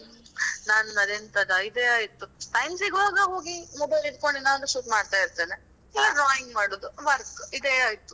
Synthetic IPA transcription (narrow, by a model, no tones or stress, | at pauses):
naːnunɐd̪ent̪ɐd̪ɐid̪eaːjit̪ːuʈɐjmsiɡʋaːɡɐɦo̞ːɡimɔbɐjlid̪ko̞ɳɖinaːnuʃuːtmaːɖt̪aːjiɾt̪eːne | ilːiɖɾaːjiŋɡmaːɽoːd̪uʋɐɾkid̪eaːjit̪u̥